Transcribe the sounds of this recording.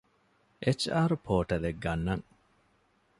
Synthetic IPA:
ʔet͡ʃaːɾupʰoːʈɐleɡːɐnːɐŋ

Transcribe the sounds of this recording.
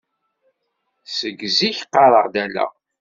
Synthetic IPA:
səɡziçqːɑɾˤəʁd̪ælːæ̰

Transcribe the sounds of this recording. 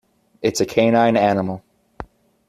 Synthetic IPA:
ɨtsɨkʰẽɪ̃nãɪ̃nænəml̩ˠ

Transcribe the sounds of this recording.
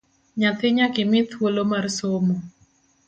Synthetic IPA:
ɲat̪ɪɲakɪmɪt̪ʰwolomarsomo

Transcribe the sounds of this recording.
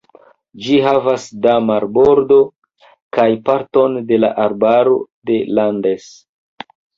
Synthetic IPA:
d͡ʒiɦavasdamaɾbo̞ɾdo̞ | kajpaɾto̞nde̞laʔaɾbaɾo̞de̞lande̞s

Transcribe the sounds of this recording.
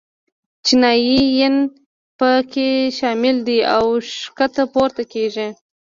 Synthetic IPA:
t͡ʃinɑjijən | pəkeʃɑmɪld̪ia̰wʃkat̪apoɾt̪akeʒi

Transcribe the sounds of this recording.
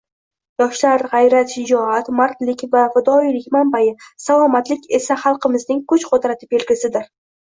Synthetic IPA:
jɒʃlaɾʁɑjɾat̪ʃɪd͡ʒɒat̪maɾt̪lɪkʲvafɪd̪ɒilɪkʲmambajɪsalˠɒmat̪lɪkʲʰe̞saχɑlˠqɨmɪznɪŋkʰʊt͡ʃqʰot̪ɾat̪ʰɪ̥pelkʲɪsɪd̪ɪɾ

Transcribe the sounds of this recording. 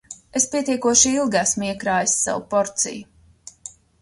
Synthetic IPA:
espʲiɛt̪iɛkuɔʃiilˠɡæsmiɛkɾaːjisːa̰wṵpɔɾt̪sḭju

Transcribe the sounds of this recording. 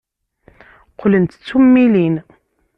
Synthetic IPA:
qlənt̪t͡sːumːilin

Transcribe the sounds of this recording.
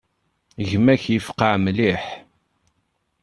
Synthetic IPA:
ʝmæçjəfqaʕmliħ

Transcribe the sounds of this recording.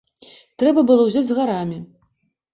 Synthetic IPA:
t̪ɾɛbɐbɨlˠɔwzʲad͡zʲzɣaɾamʲi

